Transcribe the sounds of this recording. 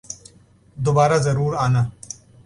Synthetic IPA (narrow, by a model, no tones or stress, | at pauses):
d̪ʊbaːɾazɐɾuːɾaːna